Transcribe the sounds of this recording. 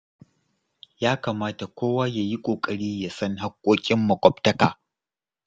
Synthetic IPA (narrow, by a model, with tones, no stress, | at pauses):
jaː˦kaː˨maː˦ta˨kʷoː˦waː˦ja˨ji˦kʷʼoː˨kʼɐ˨ɽiː˦ja˨sɐ˦ŋɦa˦kʷʼːoː˦kʲʼɪ˦mːɐ˨kʷʼɔ˦ptɐ˦kaː˨